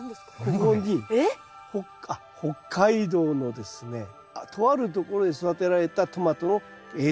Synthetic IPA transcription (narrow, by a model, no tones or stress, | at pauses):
d̪eskkokoɲ̟i | hoka | ho̞kʰːaid̪o̞ːno̞d̪e̞sɨne̞ | t̪ʰo̞βaɾɯ̟t̪o̞ko̞ɾo̞d̪e̞sod̪at̪e̞ɾaɾe̞t̪at̪o̞mat̪o̞no̞ | e